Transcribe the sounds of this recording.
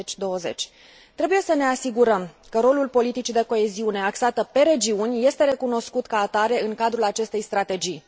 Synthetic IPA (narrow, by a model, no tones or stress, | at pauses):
t͡ʃʲd̪o̞wəze̞̰t͡ʃʲ | t̪ɾe̞buje̞səne̞asiɡuɾəmkəɾo̞lulpo̞lit̪it͡ʃid̪e̞ko̞e̞ziune̞aksat̪əpe̞ɾe̞d͡ʒiunʲje̞st̪e̞ɾe̞kuno̞skut̪kaːt̪aɾe̞ɨŋkad̪ɾulat͡ʃe̞st̪e̞jst̪ɾat̪e̞d͡ʒij